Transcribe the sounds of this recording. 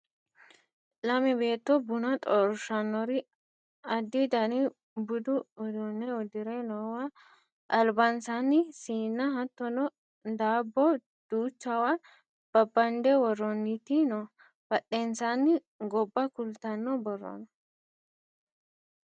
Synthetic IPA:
lɐmɪbeːt̪ːɔbʊnɐt̪ʼɔɾʃɐnːɔɾɪ | ɐd̪ːid̪ɐni | bʊd̪ʊɔd̪ɔnːɛɔd̪ɪɾenɔːwɐ | ʔɐlbansanːɪsiːnːɐhɐt̪ːɔnɔ | d̪aːbːɔ | d̪̥uːt͡ʃːɐwɐ | b̥ɐbːɐnd̪ɛwɔrːɔnːɪt̪inɔ | bɐɗːeːnsanːɪ | ɡɔbːɐkʊlt̪ɐnːɔbɔrːɔ̰nɔ̥

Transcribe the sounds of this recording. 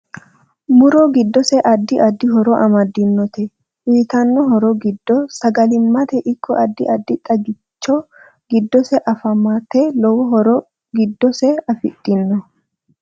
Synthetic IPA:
mʊɾɔɡɪd̪ːɔsɛʔɐd̪ːɪʔɐd̪ːɪɦɔɾɔʔɐmɐd̪ɪnːɔt̪ɛ | wiːt̪ɐnːɔɦɔɾɔɡɪd̪ːɔsɐɡɐlɪmːɐt̪ɛʔɪkːɔʔɐd̪ːɪ̰ʔɐd̪ːɪt̪ʼɐɡɪt͡ʃːɔ | ɡɪd̪ːɔsɛʔɐfɐmat̪ɛlɔwɔɦɔɾɔ | ɡɪd̪ːɔsɛɐfɪ̰t̪ʼːɪnːɔ

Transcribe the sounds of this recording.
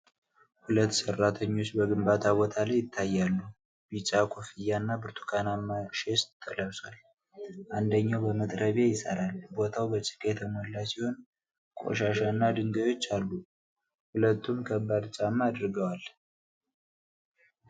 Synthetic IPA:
hulət̪ːsərːat̪ʰəɲːo̞t͡ʃːbəɡɨmbat̪ʰaβo̞t̪ʰalajːɪt̪ʰːajːalːu | bit͡ʃʼakʰofijːanːabɨɾt̪ʰu̥kʰanamːaʃest̪ʰːəlawsal | ʔand̪əɲːawbəmət̪ʼɾəβejɪsə̰ɾalbo̞t̪ʰawbət͡ʃʼɨ̥kʼet̪ʰəmolːasiho̞n | kʼo̰ʃaʃanːad̪ɨŋɡəjo̞t͡ʃːalːu | hulət̪ʰːumkʰəbːad̪t͡ʃʼamːaad̪ɾɨɡəwal

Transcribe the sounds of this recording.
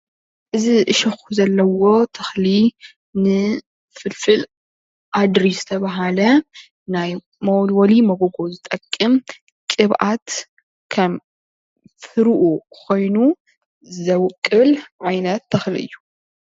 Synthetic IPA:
ʔɨziʔɨʃɐxuzɐlːɐwo̞t̪ʰɐxli | nɨ | fɨlfɨl | ʔad̪ɾisɨ̥t̪ʰɐβaɦalɐ | naj | mɐwlwɐlimɐɡoɡo̞zɨt̪ʼɐkʼːɨm | kʼɨβʔat̪ | kʰɐm | fɨɾʔukʰo̞jnu | zɐwkʼːɨlʕajnɐt̪ːɐxliʔɨ̰jːu

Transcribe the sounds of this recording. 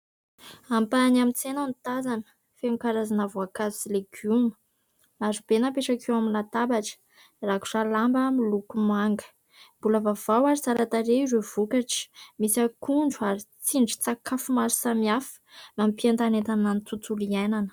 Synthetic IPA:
ampanamit͡senanit̪azanə̥ | femikaɾazanavuakazusileɡ̥umə̥ | lazub̥enapeʈ͡ʂakewaminat̪abaʈ͡ʂə̥ | raku̥ʈ͡ʂalambamilukumaŋɡə̥ | mb̥ulavavawaɾizaɾat̪aɾeizev̥ukaʈ͡ʂə̥misakuɳɖ͡ʐuaɾit͡siɳɖ͡ʐi̥t͡sakʰafumaɾsamiafə̥mampiant̪anet̪ananit͡s̪ut͡suliajnanə̥

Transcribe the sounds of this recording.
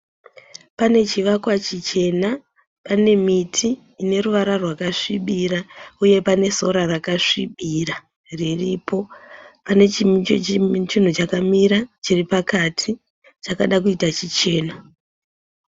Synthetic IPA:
pane̞t͡ʃiʋakwat͡ʃit͡ʃe̞na | pane̞mitʰiː | ne̞ruʋaɾarwakaʂiɓirauje̞pane̞so̞ɾarakaʂiɓira | riripo̞pane̞t͡ʃimit͡ʃot͡ʃin̤ut͡ʃakamiɾat͡ʃiripakatʰi | t͡ʃakaɗakuitat͡ʃit͡ʃe̞ːna

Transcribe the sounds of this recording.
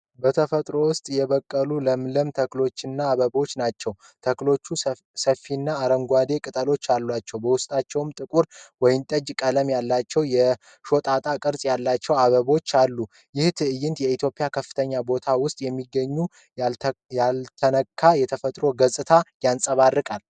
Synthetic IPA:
bət̪ʰəfət̪ʼɾo̞wʊst̪ʼjɛβəkʼːəluləmləmt̪ʰəklo̞t͡ʃːɪnːaːβəbo̞t͡ʃːnat͡ʃːɛw | t̪ʰəklo̞t͡ʃːu | səfːinːaːɾəŋɡʷad̪e̞kʼɨt̪ʼəlo̞t͡ʃːalːwat͡ʃːɛwbəwʊst̪ʼat͡ʃːɛwmt̪ʼɨkʼuɾwɔjɪnt̪ʼəd͡ʒkʼələmjalːat͡ʃːɛwjɛ | ʃo̞t̪ʼat̪ʼakʼɨɾsʼjalːat͡ʃːɛwaβəβo̞t͡ʃːalːu | jɪht̪ʰɨɨjɪnt̪jɛit̪ʰjo̞pʼijakʰəfːɨ̥t̪ʰəɲːabo̞t̪ʰawʊst̪ʼjɛmːiɡːəɲːu | lalt̪ʰənəkʰːajɛt̪ʰəfət̪ʼɾo̞ɡəzʼɨt̪ʰajansʼəβarːɨkʼal

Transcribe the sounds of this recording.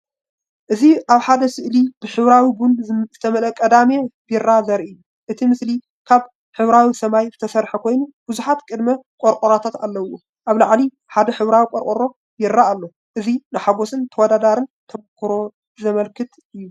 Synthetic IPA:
ʔɨziʔaβħad̪ɐsɨʔlib̥ɨħɨβɾawibunzɨt̪ʰɐmɐlɐkʼɐd̪amebɪrazɐɾʔɨju | ʔɨt̪ʰimɨsli | kʰaβ | ħɨβɾawisɐmajzɨt̪ʰɐsɐɾħɐkʰo̞jnub̥ɨzuħat̪kʼɨd̪mɐkʼoɾkʼoɾat̪ʰat̪a̰lːɐwo | ʔaβlaʕli | ħad̪ɐħɨβɾawikʼoɾkʼoɾo̞ | jɪɾːaːlːo̞ | ʔɨzinɨħaβosɨnt̪ʰɐwɔd̪ad̪aɾɨnt̪ʰɐβkʰɨɾo̞ | zɐmɐlkʰɨt̪ʔɨjːu

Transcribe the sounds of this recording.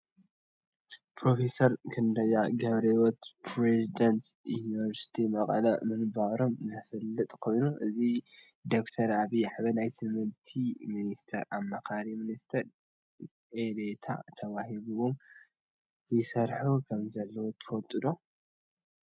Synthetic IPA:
pʰɾo̞fe̞sɐɾkʰɨndɐjaɡɐβɾewɔt̪pʰɾezid̪ɐnt̪junivɐɾsi̥t̪ʰimɐqʼɐ̰lɐ̰mɨnbaɾo̞mzɐfɐlːɨt̪ʼkʰo̞jnuʔɨzi | d̪o̞kt̪ʰɐɾaβiaħβɐnajt̪ʰɨmɨɾt̪ʰiminist̪ʰɐɾamːɐkʰaɾiminist̪ʰɐɾ | ʔed̪et̪ʰa̰t̪ʰɐwahiβuwom | jɨsɐɾħukʰɐmzɐlːɐwot̪ʰɨ̥fɐlt̪ʼɨd̪o̞

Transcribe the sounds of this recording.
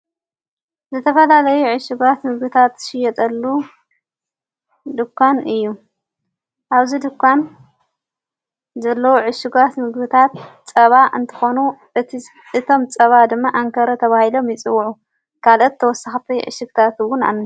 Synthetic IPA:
zɨt̪ʰɐfɐlalɐjuʕɨʃɪɡat̪mɨɡbɨt̪ʰat̪ʃɪjɛt̪ʼɐlːu | d̪ɨkʰːanɨjːu | ʔaβzid̪ɨkʰːan | zɐlːɐwoʕɨʃɪɡat̪mɨɡbɨt̪ʰat̪t͡sʼɐβaʔɨ̰nt̪ʰɨ̥xo̞nu | ɨt̪ʰo̞mt͡sʼɐβad̪ɨmːaʔaŋkʰɐɾɐt̪ʰɐβahilo̞mjɪt͡sʼɨwʕu | kʰalot̪ʰːɐwɔsːaxt̪ʰɐjʕɨ̰ʃɨɡt̪ʰat̪wʊna̰nːi

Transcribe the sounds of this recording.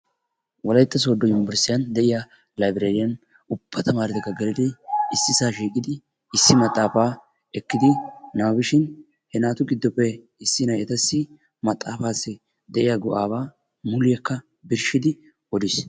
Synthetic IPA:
wɔlɐjt̪ːɐs̬oːd̪ːɔjʊmbɛɾsɪjɐnd̪ɛʔɪja | lɐjbɪɾeːɾɪjɐn | ʊb̥ːɐt̪ɐmaːɾɛt̪ɛkːɐɡɛlɪd̪ɪɪsːɪsaːʃiːkʼɪd̪ɪ | ɪsːɪmɐt̪ʼːaːfaː | ɛkːɪd̪ɪnaːbɪʃɪn | hɛnaːt̪ʊɡɪd̪ːɔpːɛ | ɪsːɪnɐjɛt̪ɐsːɪ | mɐt̪ʼːaːfaːsːɪ | d̪ɛʔɪjaɡɔʔaːβaː | mʊlɪjɐkːɐ | bɪɾʃɪd̪ɪ | ɔd̪ɪs

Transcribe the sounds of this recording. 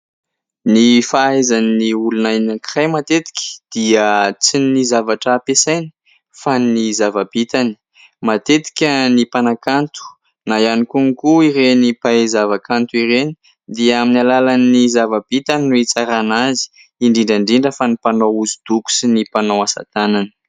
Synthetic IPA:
nifaazanniulunajnakrajmat̪et̪i̥kʲi̥d̪̥iat͡sinizavaʈ͡ʂapesajni̥ | fanizavabit̪ani̥ | mat̪et̪i̥kʲənipanakant̪u̥ | najanikuŋkuiɾenipazavakant̪uiɾeni̥ | d̪iaaminalalanizavab̥it̪aninuit͡saɾanazi̥ | iɳɖ͡ʐiɳɖ͡ʐaɳɖ͡ʐiɳɖ͡ʐəfanipanowuzid̪̥uku̥sinipanowasa̰t̪anani̥

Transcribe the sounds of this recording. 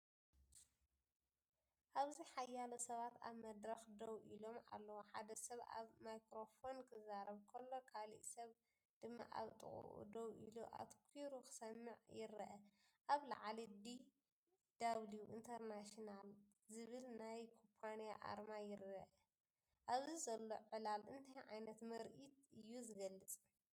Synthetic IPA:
ʔaβziħajːalɐsɐβat̪a̰βmɐd̪ɾɐxd̪owʔilo̞ma̰lːɐwoħad̪ɐsɐβa̰βmajkɾo̞fo̞nkʰɨzaɾɐβkʰɐlːo̞kʰalḭʔsɐβ | d̪̥ɨmːa̰ʔa̰βt̪ʼɨ̰χʼṵʔṵd̪owʔḭluʔa̰tkʰiɾukɨ̥sɐmːɨʕjɪɾɐʔɐʔaβla̰ʕalid̪i | d̪̥aβluʔint̪ʰɐɾnaʃinal | zɨβɨlnajkʰopʰanija̰ʔa̰ɾmajɪɾɐʔɐ | ʔaβzizɐlːo̞ʕɨlalʔɨnt̪ʰajʕajnɐt̪mɐɾʔit̪̚ɨjːuzɨɡɐlːɨt͡sʼ

